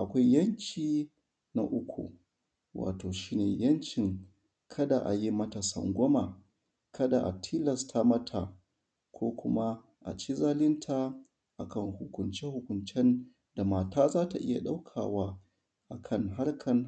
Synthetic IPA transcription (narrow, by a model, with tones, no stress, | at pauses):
ʔa˨kʷa˦jjɐ˦ɲkʲiː˨ | na̰˨ʔʊ˦kʷʰṵ˨ | wa̰ː˨toː˨ʃiː˦neː˨jɐ˦nt͡ʃɪ˨ŋ | kʰɐ˦da˨ʔa̰˨ji˦mɐ˦ta˨sɐ̰˨ŋɡʷɔ˦ma˨ | kʰɐ˦da˨ʔa̰˨tʰiː˦lɐ˨stʰa˦mɐ˦tʰa˨ | kʷoː˦kʷʊ˦ma˦ | ʔa̰˨t͡ʃi˦zaː˦lɪ˦ntʰa˦ | ʔa˨kɐ˦˨ŋhʊ˨kʷʊ˨nt͡ʃɛ˦hʊ˨kʷʊ˨nt͡ʃɛ˦n | da˨maː˨taː˦zaː˦ta˨ʔɪ˦ja˨ɗa˦wkʰaː˨waː˦ | ʔa˨kʰɐ˦˨ŋɦa˦ɽkʰɐ˨n